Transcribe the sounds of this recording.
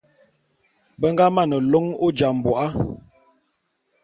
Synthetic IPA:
bə˦ŋ˦ɡa˦ma˦˨nə˨lo˦ŋo˦d͡ʒa˨m˨bɔ˨ʔa˦

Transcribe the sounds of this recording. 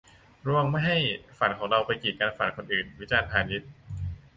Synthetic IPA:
ɾu˧əŋma˥˩jɦa˥˩jfa˨˩nkʰɔː˩˦ŋɾa˧wpa˧jkiː˨˩t̪̚kaː˧nfa˨˩nkʰo˧nʔɯː˨˩nwi˦˥t͡ɕaː˧npʰaː˧ni˦˥t̪̚

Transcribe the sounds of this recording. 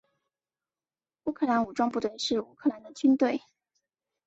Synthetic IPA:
u˥kʰɤ˥˩la˧˥nu˨˩ʈ͡ʂwɑ˥ŋpu˥˧t̪we˥˧ɪʂɻ̩˥˩u˥kʰɤ˥˩la˧˥nd̪ə˨t͡ɕy˥nt̪we˥˩ɪ

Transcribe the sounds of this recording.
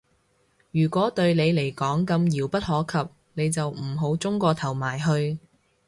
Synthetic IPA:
jyː˨˩kʷɔː˨˥t̪ɵ˧ɥnle˨˧jle˨˩jkɔː˨˥ŋkɐ˧mjiː˨˩wpɐ˥t̚hɔː˨˥kʰɐ˨p̚ | ne˨˧jt͡sɐ˨wm̩˨˩ɦo˨˥wt͡sʊ˥ŋkɔː˧t̪ʰɐ˨˩wmaː˨˩jɦɵ˧ɥ

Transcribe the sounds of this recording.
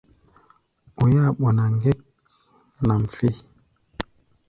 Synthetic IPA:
o˨ja˦˨ɓo˨na˨ŋɡe˦k̚ | na˨mfe˦

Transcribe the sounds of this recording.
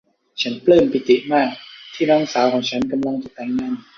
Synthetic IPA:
t͡ɕʰa˦˥nplɤː˥˩mpi˨˩t̪i˨˩ʔmaː˥˩k̚t̪ʰiː˥˩nɔː˦˥ŋsaː˩˦wkʰɔː˩˦ŋt͡ɕʰa˦˥nka˧mla˧ŋt͡ɕa˨˩t̪ɛː˧˩ŋna˥˩n

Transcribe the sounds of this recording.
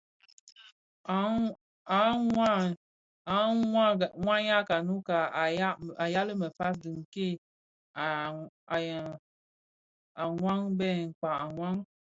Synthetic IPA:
a˨˦a˦ | a˨˦a˦˨ŋʷa˦ɲa˦ka˨nu˦ka˨˦a˨ja˦lɨ˦mə˨fa˦s̬dɨ˨ŋ˨ke˦˨ | a˨ŋʷa˦ŋbɛ˦˨ŋ̩˨k͡pa˨a˨ŋʷa˦ŋ

